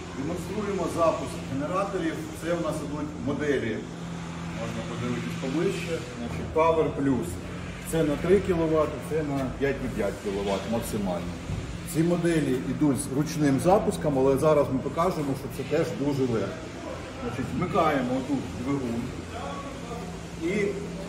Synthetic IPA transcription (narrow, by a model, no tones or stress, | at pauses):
d̪emɔnst̪ɾujemɔzɑpʊskɦeneɾɑt̪ɔɾʲiwt̪sɛwnɑsɪd̪utʲmɔd̪ɛlʲi | mɔʒnɐpɔd̪ɪʋɪt̪ɪsʲpɔʋɪʃt͡ʃːɛznɑt͡ʃɪt̚ʲpɑʋerplʲus | t̪sɛnɐt̪ɾɪkʲilˠɔʋɑt̪t̪sɛnɐpʲjatʲʋʲipʲjatʲkʲilˠɔʋɑt̪mɐksɪmɑlʲnɔ | t͡sʲimɔd̪ɛlʲiid̪ulʲzɾʊt͡ʃnɪmzɑpʊskɐmɐlˠɛzɑɾɐzmɪpɔkɑʒʊjemɔʃt͡ʃɔt̪sɛt̪ɛʒd̪uʒɛlˠɛʃkɔ | znɑt͡ʃɪtʲzmɪkɑjemɔɔt̪ut̪ʲd̪ʲʋɪɦun | i